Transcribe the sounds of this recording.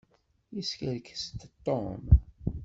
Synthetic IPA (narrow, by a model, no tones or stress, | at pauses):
jiskəɾkst̪t̪ːom